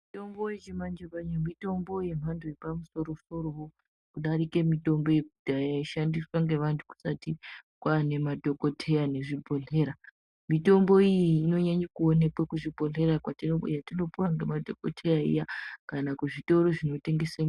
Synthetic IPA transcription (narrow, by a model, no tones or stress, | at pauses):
mito̞mbojet͡ʃemand͡ʒepaɲamito̞mbo̞je̞m̤antʰujepamuso̞ɾo̞so̞ɾo̞ɦo | kuɗaɾike̞mito̞mbo̞jekudʱajaiʃandiswaŋɡe̞ʋantʰu̥ku̥satikwane̞madʱo̞ko̞tʰe̞jane̞ʐibʱo̞ɮe̞ːɾa | mito̞mbo̞ijiiːno̞ɲaɲakuone̞kwakuʐibʱo̞ɮe̞ɾakwatinojatino̞puwaŋɡe̞madʱo̞ko̞tʰe̞jaḭjakanakuʐito̞ɾo̞ʐino̞te̞ŋɡe̞sem